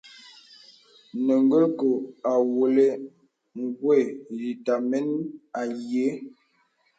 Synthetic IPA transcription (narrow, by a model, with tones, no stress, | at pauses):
nə˨ŋɡə˦ko˨a˨wo˨le˦ | ŋ˦ɡwɛ˦˨li˨ta˨mɛ˦na˨jje˨˦